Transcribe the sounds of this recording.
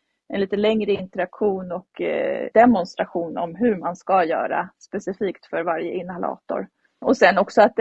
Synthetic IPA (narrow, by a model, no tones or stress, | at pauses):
ʔɛnliːt̪əlɛŋɾəɪnt̪əɾakɧuːnɔkd̪ɛmɔnst̪ɾaɧuːnɔmɦɵɾmanskajœ̰ːɾa̰spɛsɪfiːkt̪fœɾvaɾjəɪnːhalɑ̰ːt̪ɔ̰ɾ | ɔsɛnːɔksɔat̪̚